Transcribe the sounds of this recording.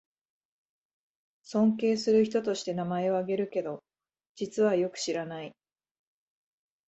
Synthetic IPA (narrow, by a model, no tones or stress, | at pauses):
sõ̞ŋke̞ːsɨɾɯ̟çi̥t̪o̞t̪o̞ɕi̥t̪e̞namae̞o̞aɡe̞ɾɯ̟ke̞d̪o̞ | d͡ʑit͡sɨβ̞ajo̞kɯ̟̥ɕiɾanai